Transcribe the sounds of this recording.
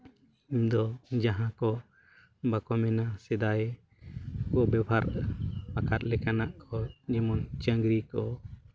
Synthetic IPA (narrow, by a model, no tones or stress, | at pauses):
imd̪ɔd͡ʒaɦãkɔ | bakɔmɛnasɛd̪aj | kɔbɛbʱaɾbakat̪̚lɛkanaʔkɔd͡ʒimɔnt͡ʃəŋɡɾikɔ